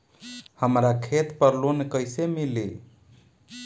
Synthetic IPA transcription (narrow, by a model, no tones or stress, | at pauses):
həmɾakʰet̪pəɾlonkəjsemili